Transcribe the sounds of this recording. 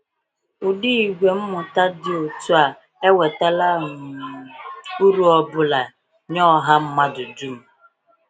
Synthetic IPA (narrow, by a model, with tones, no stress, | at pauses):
ʊ˨di˦i˨ɡʷe˨m̩˦mʊ˨ta˦dɪ˨o˨tu˦a˨ | e˦we˨ta˦la˦m̩˨ | u˦ɾu˦ɔ˦bʊ˦la˨ | ɲɔ˦˨ɦa˦m̩˦ma˦dʊ˨du˦˨m̩˨